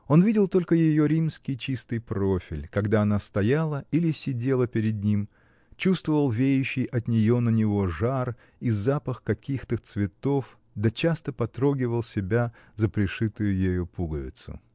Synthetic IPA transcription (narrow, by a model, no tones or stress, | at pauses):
o̞nvʲidʲɪlˠt̪o̞lʲkəjɪjo̞ɾʲimskʲɪjt͡ɕist̪ɨjpɾofʲɪ̰lʲkɐɡd̪aɐnast̪ɐjalˠəilʲɪsʲɪdʲe̞lˠəpʲɪɾʲɪd̪̚nʲim | t͡ɕust̪vəvəlˠvʲejʉɕːɪjʔɐt̪nʲɪjo̞nənʲɪvo̞ʐar | izapəxkɐkʲixt̪ət̪svʲɪt̪o̞f | d̪ət͡ɕast̪əpɐt̪ɾo̞ɡʲɪvəlˠsʲɪbʲa | zəpɾʲɪʂɨt̪ʊjʊjɪjopuɡəvʲɪ̰t̪sʊ̰